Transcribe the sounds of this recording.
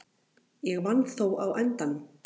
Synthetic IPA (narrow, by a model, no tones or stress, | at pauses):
jɛɣvanːθowʔawʔɛnt̪an